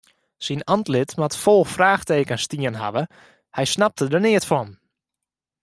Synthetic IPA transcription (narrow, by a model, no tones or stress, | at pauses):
sinantlɪtmatfolˠfraːxteːkənstiənɦa̰ʋə | hɛjsnap̚tədənɪətfɔn